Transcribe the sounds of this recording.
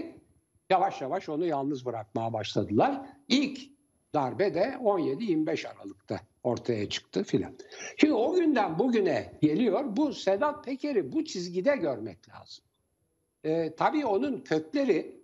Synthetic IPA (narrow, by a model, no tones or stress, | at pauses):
javaʃjavaʃo̞nujalˠnɯzbɯɾak̚majabaʃlˠad̪ɯlˠaɾ̥ilʲc | d̪̥aɾbɛd̪ɛo̞nje̞d̪ijiɾmibɛʃaɾa̰lˠɯkt̪ʰa̰ | o̞ɾt̪ʰajat͡ʃʰɯ̥k̚t̪ʰɯfilʲa̰nʃimd̪io̞ɟynd̪ænbuɟynɛɟe̞lʲijo̞ɾbused̪at̪̚pʰe̞cʰeɾibut͡ʃʰizɟid̪ɛɟø̞ɾmɛclʲa̰ːz̥ɯ̥mː | t̪ʰabiːo̞nuncʰø̞clʲe̞ɾi